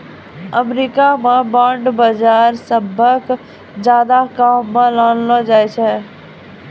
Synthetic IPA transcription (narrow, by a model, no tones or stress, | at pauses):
əmɾiːkamẽbãːɳɖbəd͡ʒaːɾsəbʱək | d͡ʒjaːd̪akamːə̃laːnlod͡ʒaːet͡ʃʰɛ